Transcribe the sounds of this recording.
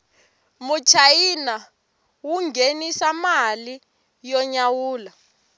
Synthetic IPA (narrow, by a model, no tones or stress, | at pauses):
mut͡ʃʰajina | wuŋɡʱenisamali | jɔɲawuːla